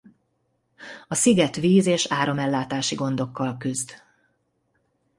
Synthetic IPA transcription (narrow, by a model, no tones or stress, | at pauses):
ɒsiɡɛt̪ʋiːzeːʃaːɾo̞mɛlːaːt̪aːʃiɡo̞nd̪o̞kːɒlkyzd̪